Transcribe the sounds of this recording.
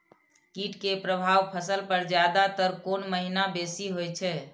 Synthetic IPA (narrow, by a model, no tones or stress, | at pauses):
kiʈkepɾəbʱaʋpʰəsəlpəɾd͡ʒjad̪at̪əɾkonməɦinabesiɦojt͡ʃʰɛ